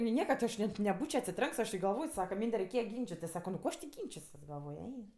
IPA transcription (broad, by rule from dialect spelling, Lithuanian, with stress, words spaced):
nʲɪ ˈnʲiɛkɐ ˈɐʃ nʲɛt nʲɛˈbuːt͡ʃʲoː ɐtʲsʲɪˈtʲrʲɛŋks ɐʃ ɪ ɡɐlˠˈʋoːj ˈsɑːkɐ ˈmʲiːnʲdʲɛ rʲɛɪˈkʲeːjɛ ˈɡʲiːnʲt͡ʃʲɪtʲɪs ˈsɑːkoː nʊ ˈkoː ɐʃ tʲɪ ˈɡʲiːnʲt͡ʃʲɪsʲuɔs ɡɐlˠˈʋoːj ˈɛɪ